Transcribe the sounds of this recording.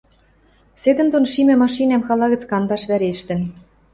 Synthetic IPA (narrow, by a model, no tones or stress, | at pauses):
sed̪ɘ̆nt̪onʃimɘ̆mɑʃinæmxɑlˠɑɣɤ̆t͡skɑnd̪ɑʃβæɾeʃt̪ɘ̆n